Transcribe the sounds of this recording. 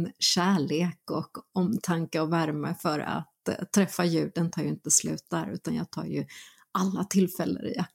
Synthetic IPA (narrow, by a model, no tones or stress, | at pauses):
ɕæːɭeːkɔkɔmt̪ʰaŋkaɔvæɾməfœɾa̰t̪ʰːɾɛfːajʉ̟ːɖənt̪ʰɑːɾjəɪnt̪əslʉ̟̰ːt̪̚d̪æɾʉ̟ːt̪anjɑːɡ̚t̪ʰɑ̰ːɾjɵ | ʔalːat̪ʰɪlːfɛlːə̰ɾɪ̰